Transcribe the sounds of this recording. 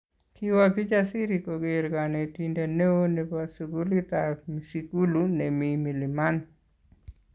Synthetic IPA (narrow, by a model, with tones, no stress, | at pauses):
ki˦waki˦d͡ʒasi˦ɾikoɡe˨ɾka˨ne˨tinde˨ne˦o˦ne˨pasuɡu˦li˦t̪ami˨siku˦lune˨mi˨mi˨lɪ˨ma˦n